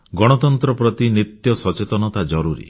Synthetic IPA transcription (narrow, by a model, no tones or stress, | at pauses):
ɡɔɽ̃ɔt̪ɔnt̪ɾɔpɾɔt̪inɾit̪jɔsɔt͡ʃet̪ɔnɔt̪ad͡ʒɔɾuɾḭ